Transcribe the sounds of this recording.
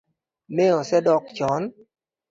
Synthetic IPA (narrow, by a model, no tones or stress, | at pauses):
neɔsɛdɔkt͡ʃɔn